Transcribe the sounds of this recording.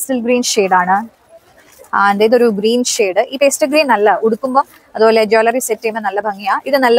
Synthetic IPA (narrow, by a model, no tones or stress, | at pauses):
sɨlɡɾiːnʂeːɽaːɳɨ | aend̪ɐjðo̞ɾuɡɾiːnʂeːɖɨʔiːpeːsʈɨɡɾiːnnɐlːɐuɽukːumboː | ɐðuboːled͡ʑoːlɐrisetːemɐnɐlːɐbʱɐŋːijaːʔiðɨnɐlːɐ